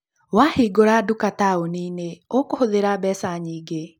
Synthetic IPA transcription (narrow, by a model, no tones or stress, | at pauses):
wahiɡoɾaːdukataoniːneokohoðeɾaːbɛsaɲiːɡe